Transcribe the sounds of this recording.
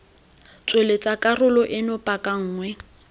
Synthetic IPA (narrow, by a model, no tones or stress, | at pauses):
t͡sʼwelet͡sʼakʼarʊlɔʔɪnʊpʼakʼaŋ̩ːŋwɛ